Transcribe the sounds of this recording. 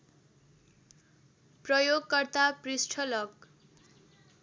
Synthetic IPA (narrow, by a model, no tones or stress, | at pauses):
prʌjoɡkʌrt̪aprisʈʰʌlʌk